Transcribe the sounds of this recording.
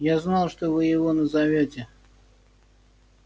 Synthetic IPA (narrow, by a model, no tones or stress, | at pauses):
jaznɑlˠʂt̪ovɨjɪvonəzavʲotʲɪ